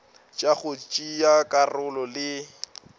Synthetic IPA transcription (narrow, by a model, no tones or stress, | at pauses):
t͡ʃʼaɣʊt͡ʃʼijakʼarʊlɔlɪ